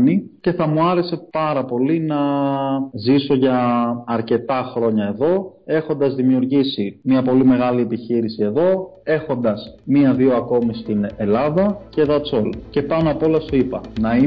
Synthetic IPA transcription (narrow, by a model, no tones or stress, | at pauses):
nice̞θɐmuɐɾe̞se̞pɐɾɐpo̞linɐ | ziso̞ʝɐːɾce̞t̪ɐxɾo̞ɲɐe̞ðo̞e̞xo̞nd̪ɐzðimiuɾʝisimiɐpo̞lime̞ɣɐlie̞piçiɾisie̞ðo̞ | e̞xo̞nd̪ɐsmiɐðio̞ɐko̞mist̪ine̞lɐðɐce̞ðɐt͡so̞lce̞pɐnoɐpo̞lɐsoipɐnɐi